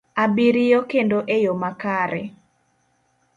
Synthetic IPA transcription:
abiɾɪjokendoʔejomakaɾɛ

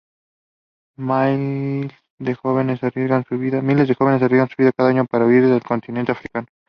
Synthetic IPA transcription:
majl | d̪exo̞βenesarezɣansuβiðamilezðexo̞βenesariɣansuβiðakaðaaɲo̞paɾauiɾðelko̞nt̪inent̪eafɾikano

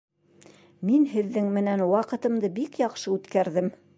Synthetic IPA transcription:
minhɘ̆ðːɘŋmɘ̆nænwɑqɤ̆t̪ɤ̆md̪ɤbikjɑqʃɤʉt̪kæɾðɘm

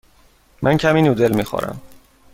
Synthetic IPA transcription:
mʔæncʰæmiːnuːd̪elmiːxo̰ːɾæ̰m

